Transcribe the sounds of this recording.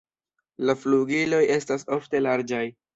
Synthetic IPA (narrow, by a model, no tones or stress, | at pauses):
lafluɡilo̞je̞staso̞fte̞laɾd͡ʒaj